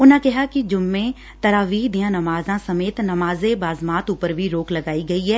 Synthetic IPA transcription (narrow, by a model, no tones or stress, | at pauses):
ʊnãkɛɦakid͡ʒʊmːẽ | t̪ɐɾaːʋiːd̪ijãnɐmaːzãsɐmeːt̪nɐmaːzebaːzmaːt̪uːpəɾbʱiɾoːklɐɡaːiɡɐiɦɛː